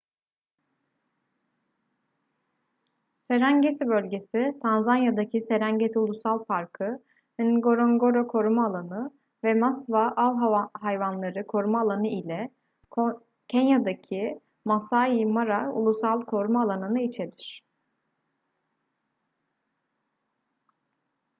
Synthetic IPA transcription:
se̞ɾæɲɟet̪ʰibø̞lʲɟe̞sit̪ʰanzanjad̪acʰise̞ɾæɲɟet̪ʰiulˠusalˠpaɾkʰɯ | inɡo̞ɾoŋɡo̞ɾokʰo̞ɾumaːlˠanɯ | vɛmasvaʔalˠɦaɦajvanlˠaɾɯkʰo̞ɾumaːlˠanɯilʲɛ | cʰɛnjad̪acʰi | masajimaɾaṵlˠusalˠkʰo̞ɾmaːlˠanɯnɯit͡ʃʰed̪iɾ̝̥

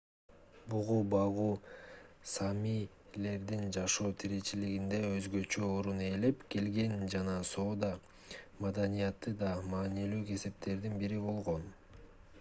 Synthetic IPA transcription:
buʁubɑʁuː | sɑmij | le̞ɾd̪ind͡ʒɑʃo̞ːt̪ʰiɾe̞t͡ʃiliɡind̪e̞øzɡø̞t͡ʃø̞oɾune̞le̞pke̞lɡe̞nd͡ʒɑnɑso̞ːd̪ɑ | mɑd̪ɑnijɑt̪ːɯd̪ɑmɑːnilyːke̞se̞p̚t̪e̞ɾd̪inbiɾibo̞lˠʁo̞n

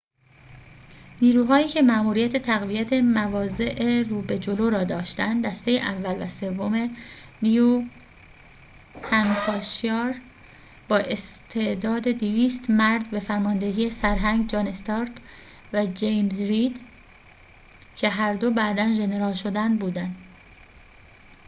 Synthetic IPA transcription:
niːɾuːɦɒːiːcʰe̞mæːmuːɾijæt̪ʰe̞t̪ʰæɣvijæt̪ʰemævɒːze̞ʔeɾuːbe̞d͡ʒoloɾɒːd̪ɒːʃt̪ænd̪d̪æst̪e̞jeʔævːælvæse̞vːome̞niju | hæmfʰɒːʃjɒːɾ | bɒːʔe̞st̪ʰe̞ʔd̪ɒːd̪e̞d̪iviːst̪mæɾd̪be̞fæɾmɒːnd̪e̞ɦiːesæɾɦæŋɡd͡ʒɒːne̞st̪ɑːɾt̪ | væd͡ʒejmzɾid̪ | cʰe̞ɦæɾd̪o̞bæːd̪ænʒe̞ne̞ɾɒːlʃo̞d̪ænd̪buːd̪ænd̪

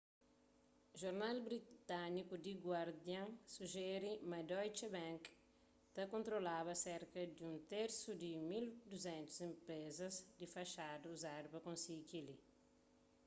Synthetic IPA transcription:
ʒoɾnalbɾit̪anikud̪iɡwaɾd̪jãŋsuʒɛɾimad̪ɔjt͡ʃebɛ̃ŋk | t̪ɐkõnt̪ɾolaβɐsɛɾkɐd̪iũnt̪eɾsud̪imild̪uzɛ̃nt̪u̥zẽmpɾezɐzd̪ifɐʃad̪uuzadupɐkõnsikili

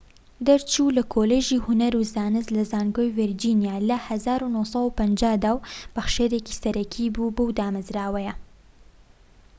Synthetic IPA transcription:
d̪ɐɾt͡ʃulɐkʰoleːʒiːhʊnɐɾuzaːnɨzlɐzaːnɡojviɾd͡ʒiːnjaːlɐhɐzaːɾunohsɐwpɐnd͡ʒaːhd̪aːwb̥ɐxʃeɾeːki̥sɐɾɐkʰibubɨwd̪aːmɨzɾaːwɐjɐ

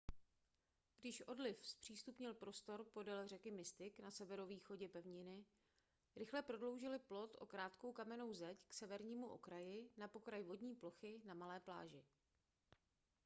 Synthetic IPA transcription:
ɡ̥dɪʃʔo̞dlɪfspr̝̥iːst̪upɲɪlpɾo̞st̪o̞ɾpo̞dɛlr̝ɛkɪmɪst̪ɪknasɛvɛɾo̞viːxo̞ɟɛpɛvɲɪnɪ | ɾɪxlɛpɾo̞dlo̞wʒɪlɪplo̞t̪ʔo̞̰kɾaːt̪ko̞wkamɛno̞wzɛcksɛvɛɾɲiːmuʔo̞̰kɾajɪnapo̞kɾajvo̞dɲiːplo̞xɪnamalɛːpla̰ːʒɪ

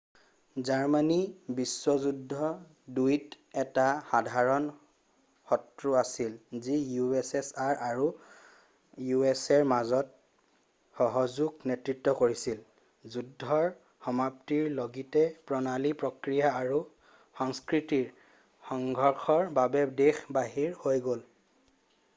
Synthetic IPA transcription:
zaɹmanibiswɔzudʱːɔ | dujt | ɛtaxadʱaɹɔn | xɔtɹuasilzijuɛsɛsaɹaɹu | juɛsɛɹmazɔt̚ | xɔɦɔzuɡnetɹitːɔkoɹisil | zudʱːɔɹ | xɔmap̚tiɹloɡitɛpɹɔnalipɹokɹijaːɹu | xɔŋskɹitiɹ | xɔŋɡʱɔɹxɔɹbabɛdexbaɦiɹhojɡol

